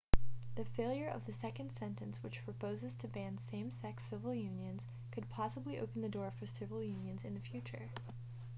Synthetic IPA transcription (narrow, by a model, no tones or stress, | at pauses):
ðɨfeɪlˠjə˞ʔʌ̰vðɨsɛkɨ̃nd̥sɛ̃ntɨ̃nswɨt͡ʃpʰɹ̥ɨpʰoʊzɨz̥tʰɨbæ̃nsẽɪ̃msɛksɪvl̩ˠjʉ̃njɨ̃nz̥ | kʰɨd̚pʰɑsəbliʔo̰ʊpn̩ðɨdɔɹfə˞sɪvl̩ˠjʉ̃njɨ̃nzɨ̃nðɨfjʉt͡ʃə̰˞